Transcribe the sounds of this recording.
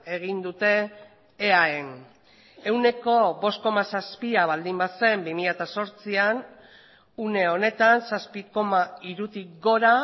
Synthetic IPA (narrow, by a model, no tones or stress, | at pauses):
e̞ɣ̞ind̪ut̪e̞ː | aen | e̞wne̞ko̞βo̞st̪ko̞masaspiaβald̪imbase̞mbimiʎat̪aso̞ɾt͡sian | une̞o̞ne̞t̪ansaspiko̞maiɾut̪ik̚ɡo̞ɾa